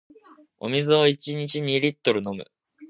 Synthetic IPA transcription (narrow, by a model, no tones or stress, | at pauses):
o̞̰mʲizɨoit͡ɕiɲ̟it͡ɕiɲ̟iɾʲit̪ːo̞ɾɯ̟no̞mɯ̟̰